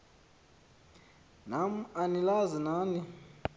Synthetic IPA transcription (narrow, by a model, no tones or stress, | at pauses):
namuanilazinaːni